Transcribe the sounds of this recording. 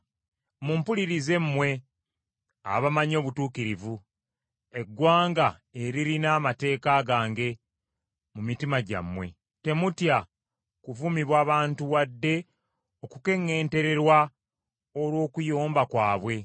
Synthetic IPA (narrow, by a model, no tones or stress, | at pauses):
mumpuliɾize̞mːwe̞ | a̰βamaɲo̞ːβutuːkiɾivu | e̞ɡːwaːŋɡae̞ɾiɾinaːmate̞ːkaɡaːŋɡe̞ | mumitimaɟa̰mwe̞̰ | te̞mutja | kuvumiβwaːβaːntuwadːe̞ | o̞kuke̞ŋːe̞ːnte̞ɾe̞ɾwa | oɾwo̞ːkujoːmbakwaːβwe̞